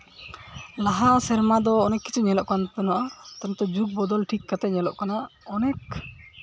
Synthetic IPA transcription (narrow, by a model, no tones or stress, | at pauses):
laɦasɛɾmad̪ɔːnɛkːi̥t͡ʃʰuɲɛlɔʔkant̪ɔnaʔat̪anɛt̪ɔd͡ʒuk̚bɔd̪ɔlʈʰikːat̪ɛɲɛlɔ̰ʔkanaɔnɛk̚